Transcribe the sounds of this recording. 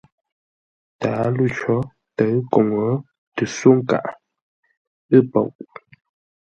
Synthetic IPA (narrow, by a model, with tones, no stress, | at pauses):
taː˨˦lu˦˨t͡ʃɔ˨˦ | tə˨˦ɰko˨ŋə˨˦ | tɨ˨so˦ŋ˦ka̰˨ʔ | ɨ˦˨po̰˨wʔ